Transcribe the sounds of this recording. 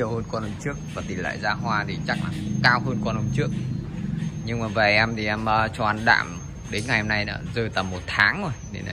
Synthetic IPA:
əwhəː˧nkɔ˧nʔə˧ŋ͡mt͡ɕɨ˦˥ək̚vaː˨˩t̪i˨˩nla̰ː˧˨jzaː˧ɦwaː˧t̪ʰi˨˩t͡ɕa˦˥k̚laː˨˩˧kaː˧wɦəː˧nkɔ˧nʔə˧wŋ͡mt͡ɕɨ˦˥ək̚ | ɲɨ˧ŋmaː˨˩və˨˩ʔɛ˧mt̪ʰi˨˩ʔɛ˧mʔəː˧t͡ɕɔ˧ʔa˧nɗa̰ː˧˨m | ɗe˨˦nŋa˨˩jho˧na˧jnə̰ː˧˦zəː˨˧˩t̪ə˨˩mːo˨˩t̚t̪ʰaː˨˦ŋzo˧˩jtʰḭ˨˩na˧

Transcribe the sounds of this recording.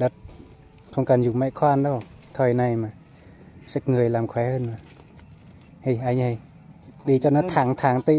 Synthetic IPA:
da˧˦t̪̚ | kʰɔ˧˨ŋka˨˩˨njuː˧˩ma˧˥jkʰwaː˧˨ndɔ˧˩wt̪ʰɔ˧˩jna˧jmaː˧˨ | sa˧˥k̚ŋɯ˧˩ə˨jla˨mkʰwɛː˨˧˦hɯ˧˨nmaː˧ | ha˧jʔaː˧˩ɲa˧˩j | diː˨˩˦t͡ɕa˧˩na˧˥t̪ʰaː˨˦ŋt̪ʰaː˨˦ŋt̪i˧˨

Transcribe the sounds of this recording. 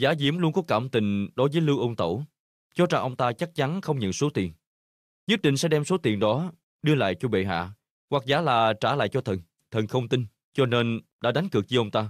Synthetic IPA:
zaː˨˦zi˨˦əmlu˧ənkɔ˨˦kaː˧˩mt̪ï˨˩ŋ̟ɗo˨˦jvəː˨˦jlɨ˧wʔə˧wŋ͡mt̪ə̰˧˩w | t͡ɕɔ˨˧˦t͡ɕa˧ŋʔə˧wŋ͡mt̪aː˧t͡ɕa˦˥k̚t͡ɕa˨˦nxə˧wŋ͡mɲə̰˧˨nso˨˦t̪i˨˩ən | ɲɨ˦˥k̚ɗḭ̈˧˨˩ŋsɛ̰˧˥ɗɛ˧mso˨˦t̪i˨˩nɗɔ˨˦ | ɗɨ˧əla̰ː˧˨jt͡ɕɔ˧ɓḛ˧˨ɦa̰ː˧˨ | wa˨˩k̚zaː˨˦laː˨˩t͡ɕaː˧˩la̰ː˧˨jt͡ɕɔ˧t̪ʰə˨˩n | t̪ʰə˨˩nxə˧wŋ͡mt̪i˧n | t͡ɕɔ˧ne˧nɗa̰ː˧˥ɗa˨˦jŋ̟kɨ˨˩ək̚t͡ɕɨ˧ʔə˧wŋ͡mt̪aː˧

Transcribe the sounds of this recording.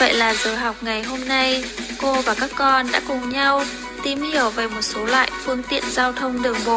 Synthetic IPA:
və̰˧˨jlaː˨˩zəː˨˩jɦa˨˩wk͡p̚ŋa˨˩jɦo˧mna˧jko˧vaː˨˩kaː˦˥kːɔ˧nɗa̰ː˧˥kʊ˨˩ŋ͡mɲa˧w | t̪i˧˩mhi˧˩əwveː˨˩mo˨˩t̚so˨˦lwa̰ː˧˨jfɨ˧əŋt̪ḭ˧˨ənzaː˧wt̪ʰə˧wŋ͡mɗɨ˨˩əŋɓo̰˧˨ʔ

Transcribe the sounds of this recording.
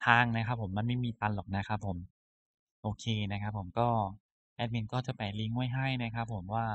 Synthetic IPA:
t̪ʰaː˧ŋna˦˥kʰa˦˥pʰːo˩˦mːa˧nma˥˩jmiː˧t̪a˧nlɔː˨˩k̚na˦˥kʰa˦˥pʰːo˩˦m | ʔoː˧kʰeː˧na˦˥kʰa˦˥pʰːo˩˦mkɔː˥˩ | ʔɛ˦˥t̪̚mi˧nkɔː˥˩t͡ɕa˨˩pa˨˩jli˦ŋu˥˩əjɦa˥˩jna˦˥kʰa˦˥pʰːo˨˩˦mwaː˥˩

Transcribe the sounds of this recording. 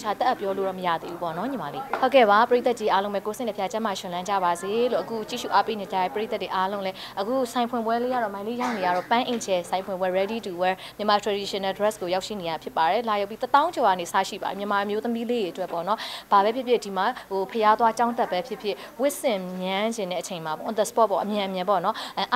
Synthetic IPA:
t͡ɕʰa˨t̪ɛ˦ʔpjɔ˦lo˨ɹɔ̰˦˨məja̰˦˨d̪ḛ˦ʔu˦pɔ̰˦˨nɔ˨˦ɲĩ˨ma˨lḛ˦˨ho˦ʊkɛ̰˦˨ba˨˦pəɹe˦t̪a˦t̚t͡ɕi˦ʔa˦lõ˦ʊ̃mɛ˦˨ko˨sɪ̃˦˨nəpʰja˦˨t͡ɕã˦ma˨ʃɪ̃˨lã˦ɲd͡ʑa̰˦˨ba˨ze˨lo̰˦˨ʔəɡu˦t͡ɕḭ˦˨ʃṵ˦˨ʔa˦pe˦nẽ˨a˨ja̰˦˨pəɹe˦t̪a˦twe˨ʔa˦lõ˦ʊ̃lɛ˦ | ʔəɡṵ˦˨sã˨ɪ̃pʰwɪ̃˨mbwɛ˦le˦ja̰˦˨ɹɔ˨mã˨ɪ̃le˦˨ja˦ʊne˨ja˦˨ɔ˦˨pã˦ʔẽ˨d͡ʑɛ˨sã˨ɪ̃pʰwʊɪ̃˨mbwɛ˦ɹɛ˦di˦tu˨wɛ˦ | mjə˨ma˨tʰɹa˨di˨ʃə˨nɛ˨dɹɛ˦sko˨ja˦ʃḭ˦˨ne˨ja˨pʰjɪ˦pːa˨ɾɛ˨˦la˨ja˦ʊpːi˦t̪ət̪ã˦ʊ̃ɲd͡ʑɔ˨ɣa̰˦˨ne˨sa̰˦˨ʃḭ˦˨ba̰˨ḭ˨mjə˨ma˨ʔə˨mjo˦t̪əmi˦le˦˨je˨ʔətwɛ˦pːɔ̰˦˨nɔ˦b̥a˨bɛ˦pʰjɪ˦˨pʰjɪ˦˨di˨ma˨o˨pʰəja˦t̪wa˦t͡ɕã˦ʊ̃nt̪a˦˨pːɛ˦pʰjɪ˦pʰjɪ˦˨ | wɪ˦ʔsɪ̃˦˨mjã˦d͡ʑɪ̃˨nɛ̰˦˨ʔət͡ɕʰẽ˨ɪ̃ma˨pɔ̰˦˨d̪ə˨spɔ˦t̚pːɔ̰˦˨ʔəmjã˨ʔə˨mjɪ̃˨mpɔ̰˦˨nɔ˦ʔʔ

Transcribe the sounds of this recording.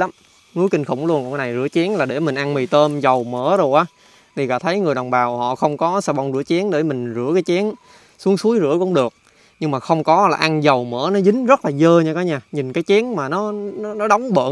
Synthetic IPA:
la˨˦m | ŋu˨˦jkï˧ŋ̟xʊ̰˧˩wŋ͡mlu˧nkŋkːa˨˦na˨˩jzɨ̰˧˥ət͡ɕɛ˨˦ənlaː˨˩ɗe˧˩mï˨˩ŋ̟ʔa˧nmi˨˩jt̪əː˧mzə˨˩wməː˧˥zo˨˩jʔaː˨˦ | t̪ʰi˨˩ɣa̰ː˧˨˩t̪ʰə˨˦jŋɨ˨˩əjɗɔ˨˩wŋ͡mɓaː˨˩whɔ̰˧˨xə˧wŋ͡mkɔ˨˦saː˧ɓa˧wŋ͡mzɨ˧˩ət͡ɕɛ˨˦ənɗe˧˩mï˨˩ŋ̟zɨ̰˧˥əkaː˨˦jt͡ɕɛ˨˦ən | su˨˦əŋsu˨˦əjzɨ̰˧˥əkʊ̰˧˥ŋ͡mɗɨ˨˩ək̚ | ɲɨ˧ŋmaː˨˩xə˧wŋ͡mkɔ˨˦laː˨˩ʔa˧nzə˨˩wməː˧˩nɔ˨˦zï˨˦ŋ̟zə˦˥t̚laː˨˩zəː˧ɲaː˧kɔː˨˦ɲaː˧˩ɲi˨˩nkaː˨˦jt͡ɕɛ˨˦ənmaː˨˩nɔ˨˦n˨˦nɔ˨˦ɗa˨˦wŋ͡mɓə̰ː˧˨

